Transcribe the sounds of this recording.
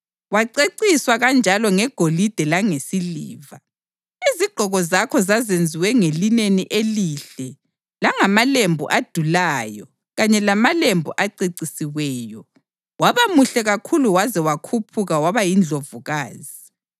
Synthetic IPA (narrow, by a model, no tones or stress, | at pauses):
waǀeǀiswaɣand͡ʒʱalɔŋɛɡ̥ʱolid̥ʱɛlaŋesilḭːva | iziɡ͡ǃ̥ʱɔɣɔzakʰɔzazend͡zʱiwɛŋelineniʔeliɬɛ | laŋamalembʱṵʔad̥ʱulaːjɔ | ɣaɲɛlamalembʱuʔaǀiǀisiwɛːjɔ | waβamuɬɛɣakʰuluwazɛwakʰupʰuɣawaβajind͡ɮʱovuɣaːzi